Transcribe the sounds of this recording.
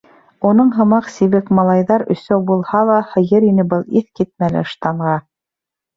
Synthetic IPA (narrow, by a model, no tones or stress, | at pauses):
unɤɴɦɤ̆mɑqsiβɘkmɑlˠɑjðɑɾɵ̆sæwbulˠhɑlˠɑhɤ̆jɤɾinɘbɤlˠiθkit̪̚mælɘ̰ɤ̆ʃt̪ɑɴʁɑ